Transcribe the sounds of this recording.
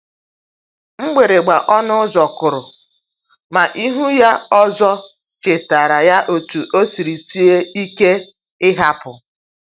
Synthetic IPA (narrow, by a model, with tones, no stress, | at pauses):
ŋ͡m̩˦ɡ͡be˨ɾe˨ɡ͡ba˨ʔɔ˦nʊ˦zɔ˨kʊ˨ɾʊ˨ | ma˨ʔi˦ɦu˦ja˦ɔ˦zɔ˦ | t͡ʃe˨ta˨ɾa˨ja˦ʔo˨tu˨ʔo˦si˨ɾi˨si˦e˦i˦ke˦ | ɪ˦ɦa˦pʊ˨